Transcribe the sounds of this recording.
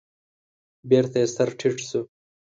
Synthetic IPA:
beɾt̪est̪ɐɾʈʰiʈsu

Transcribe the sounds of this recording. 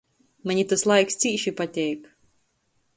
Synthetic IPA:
maɲʲit̪aslˠajkst̪siːʃipat̪ʲɛjk

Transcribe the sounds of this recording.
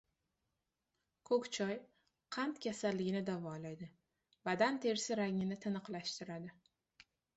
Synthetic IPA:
kʰɵkʲt͡ʃʰɒj | qʰɑnt̪kʲasalːɪɡʲɪnɪd̪avɒlajd̪ɪ | vad̪ant̪ʰe̞ɾsɪɾaŋɪnɪt̪ʰɪnɨqlaʃt̪ɪɾad̪ɪ

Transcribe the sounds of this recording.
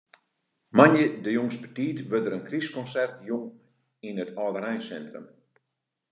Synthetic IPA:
manjədəjoŋspətiːtʋødəɾənkriskɔnsɛrtjʊŋ | inətʰɔːdəɾɛjnsɛntrə̰m

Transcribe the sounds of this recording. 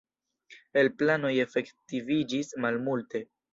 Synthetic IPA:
e̞lplano̞je̞fe̞ktivid͡ʒismalmulte̞

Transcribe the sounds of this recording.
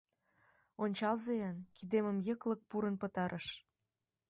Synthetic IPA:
onʲt͡ɕɑlzejɑnkid̪eməmjə̆klə̆k̚puɾənpə̆t̪ɑɾʔəʃ

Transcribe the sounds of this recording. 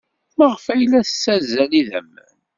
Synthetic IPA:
məʁəfæjlæθəsːæzæniðæ̰mːə̰n

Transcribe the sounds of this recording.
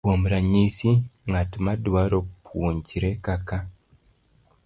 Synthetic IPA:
womuɾaɲisiŋɡatimadwaɾopʰuːɲɟiɾekaka

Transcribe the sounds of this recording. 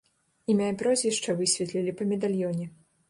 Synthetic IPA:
imʲaipɾɔzʲvʲiʂt͡ʂɐvɨsʲvʲɛt̪lʲilʲipɐmʲɛd̪alʲjɔnʲɛ

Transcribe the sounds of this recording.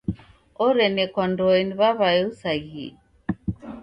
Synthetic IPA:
ɔɾɛnɛkwandɔɛniβaβaɛusaɣḭ

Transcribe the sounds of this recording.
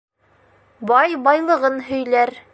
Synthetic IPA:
bɑjbɑjlˠɤ̆ʁɤnɦɵ̆jlæɾ

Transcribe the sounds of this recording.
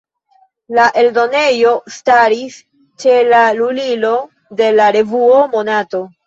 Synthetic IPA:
laʔe̞ldo̞ne̞jo̞staɾis | t͡ʃe̞lalulilo̞ | de̞laɾe̞vuo̞mo̞nato̞

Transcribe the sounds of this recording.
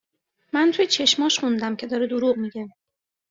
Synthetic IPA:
mænt̪ʰujet͡ʃʰe̞ʃmɒːʃχund̪æmcʰe̞d̪ɒːɾed̪oɾuʔmiɟe

